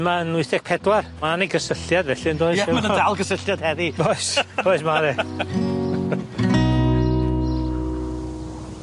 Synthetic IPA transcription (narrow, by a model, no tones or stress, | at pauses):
maənʊɨθɛɡ̥̚pʰɛdwarmaniɡəsəɬjadvɛɬɨəndoːɨɛmaəɔdalˠɡəsəɬjad̥̚hɛðiboɨsb̥oɨsmaðɛ